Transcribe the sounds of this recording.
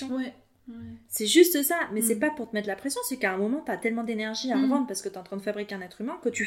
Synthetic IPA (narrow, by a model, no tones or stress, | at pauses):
ɛ | sɛʒyst̪əsamɛsɛpapuʁt̪əmɛt̪lapχesjɔ̃sɛkaɛ̃mɔmɑ̃t̪yat̪ɛlmɑ̃d̪enɛʁʒiaʁɑ̃d̪ʁpaʁsə̥kət̪yɑ̃t̪χɛ̃d̪əfabʁikʲeɛ̃nɛt̪χymɛ̃kət̪y